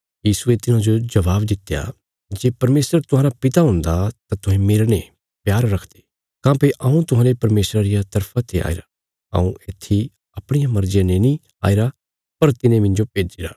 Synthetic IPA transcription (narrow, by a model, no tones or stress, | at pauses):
jiːsuet̪ɪnãd͡ʒod͡ʒɐʋaːbd̪ɪt̪ːeja̰ | d͡ʒeːpɐɾmeːsəɾt̪ʊɦãːɾapɪt̪aɦʊ̃nd̪at̪at̪ʊɦẽmeːɾne | pjaːɾːɐkʰd̪e̥ː | kãːpeʔãũt̪ʊɦãːlepɐɾmeːsɾaɾɪjat̪ɐɾpʰat̪ʰeʔa̰ːḭɾa | ɐ̰ṵ̃et̪ʰːi | ɐpɽ̃ɪjamɐɾd͡ʒɪjãnenĩ | a̰ːiɾa | pɐɾt̪ɪnẽmɪ̃nd͡ʒopeːd͡ʒiɾa̰ː